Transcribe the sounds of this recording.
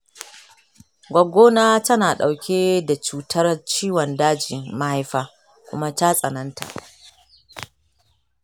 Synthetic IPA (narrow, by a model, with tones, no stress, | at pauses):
ɡʷɐ˨ɡʷoː˦naː˦tɐ˦naː˨ɗa˨wkʲʰeː˦da˨t͡ʃuː˨tʰɐ˦rt͡ʃiː˦wɔ˨ndaː˦d͡ʒɪ˨mma˦ha˦jɸaː˦ | kʷʊ̰˦ma˦ta˦sʼɐ˨nɐ˦ntʰa̰˨ʔ